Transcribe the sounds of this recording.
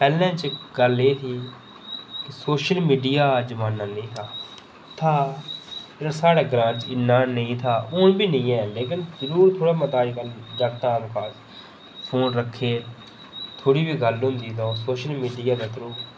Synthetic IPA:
pɛːlɛ̃ːt͡ʃɡ̥əleːt̪ʰiː | kɪsoːʃəlmiːɖijaːd͡ʒəmaːnːãːnẽːt̪ʰaː | t̪ʰaː | ɪəsaːɽaːɡɾãːt͡ʃɪnːaːnəĩːt̪ʰaːʊːnbiːnɪĩːɛ̃ːleːk̬ɪnzəɾuːɾt̪ʰoːɽaːmət̪aːiːkəld͡ʒəɡt̪ãːbʊkʰaːs | pʰoːnɾəkʰːeː | t̪ʰoːɽiːbʱiːɡəlɦʊ̃nd̪iːt̪ʰoːsoːʃəlmiːɖiːaːd̪aːt̪əɾũː

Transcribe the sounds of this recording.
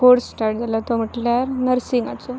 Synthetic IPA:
koɽsʈaɾʈd͡zalat̪om̤iʈljaɾnəɾsiŋɡat͡so

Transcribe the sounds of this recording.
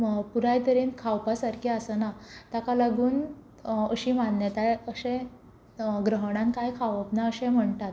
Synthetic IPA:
puɾajt̪əɾinkʰawpasaɾkʰiasənat̪akalaɡuːn | əɕimanːjət̪ajəɕẽ | ɡɾəɦɽ̃ãnkajkʰaʋəpnaəɕẽm̤əɳt̪at̪

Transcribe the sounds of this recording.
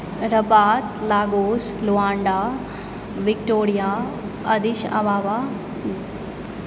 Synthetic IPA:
ɾɐpaːt̪laːɡoːs | luaːɳɖaː | ʋikʈoːɾijaː | ɐd̪iʃɐ̰baːʋa

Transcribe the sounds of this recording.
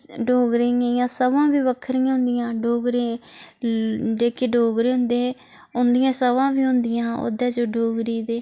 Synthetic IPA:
ɖoːɡɾeejãːsəʋãːbiːbəkʰɾɪjãːɦʊ̃nd̪ɪjãːɖoːɡɾeː | d͡ʒeːkeːɖoːɡɾeːɦʊ̃nd̪eː | ʊnd̪ɪjãːsəʋãːbiːɦʊ̃nd̪ɪjãːo̰d̪ɛːd͡ʒoːɖoːɡɾiːd̪eː

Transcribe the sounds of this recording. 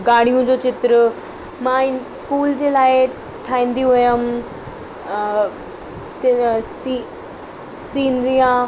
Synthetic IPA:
ɡaːɽ̃ijũd͡ʑoːt͡ɕɪt̪ɾə | mãɪnskuːld͡ʑeːlaːɪ | ʈʰaːĩːn̆d̪iɦʊjəm | si | siːnd̪iã

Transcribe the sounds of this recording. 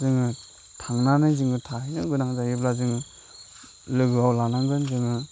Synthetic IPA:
zɯŋɯ | tʰaŋnanɯjzɯŋɡɯtʰaɦinɯɡɯnaŋzajip̚lazɯŋɯ | lɯɡɯawlanaŋɡɯnzɯŋɯ

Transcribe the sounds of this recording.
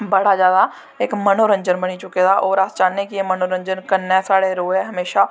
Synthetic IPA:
bɐɽazjaːd̪a | eːkmɐnoːɾə̃ɲd͡ʒənbɐnit͡ʃʊked̪aʔɔːɾaːst͡ʃaːnːekiemɐnoɾə̃ɲd͡ʒənkɐnːɛsaːɽeɾoːɛɦɐmeːʃa

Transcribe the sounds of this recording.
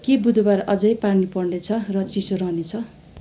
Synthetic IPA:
kibud̪ʱbarʌd͡zʌjpanipʌrnet͡sʰʌrʌt͡sisoɾʌɦnet͡sʰʌ

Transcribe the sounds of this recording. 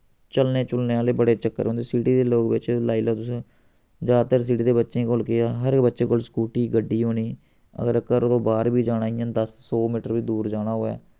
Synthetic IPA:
t͡ʃəlneːt͡ʃʊlneːaːleːbəɽeːt͡ʃəkːə̰ɾɦõnd̪eːsiːʈiːd̪eːloːkbɪt͡ʃlaːiːlaːt̪ʊsẽː | d͡ʒaːt̪əɾs̬iːʈiːd̪eːbətːʃẽːkoːlkeːaːɦəɾkbətːʃeːkoːlskuːʈiːɡəɖːiːɦoːɽiː | ə̰ɡəɾəkəɾt̪õːbaːɾbiːd͡ʒaːɽaːijãːd̪əssoːmiːʈəɾbiːd̪uːɾd͡ʒaːɽaːɦoːa̰ː

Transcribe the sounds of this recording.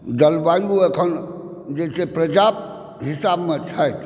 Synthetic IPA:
d͡ʒəlbajuekʰən | d͡ʒesepɾəd͡ʒab | ɦisabmet͡ʃʰaet̪ʰ

